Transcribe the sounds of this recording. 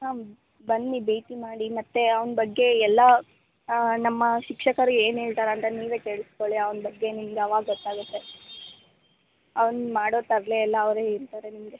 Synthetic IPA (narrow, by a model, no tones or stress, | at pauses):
ɦaː | bɐnːibeːʈimaːɽimɐt̪ːe̞ɐʋnbɐɡːe̞ɛlːɐ | nɐmːɐʃikʂɐkɐɾueːneːɭt̪aːɾeɐnt̪ɐniːʋe̞ːkeːɭiskoɭiɐʋɐnbɐɡːe̞nimɡeɐʋaːɡɐɡɔt̪ːaːɡut̪ːe̞ | ɐʋɐnmaːɽo̞ːt̪ɐɾleːlːɐːʋɾeːiɾt̪aːɾenimɡe